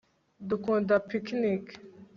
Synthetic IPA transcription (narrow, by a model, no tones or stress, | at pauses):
d̪ukõd̪apʰikʰnik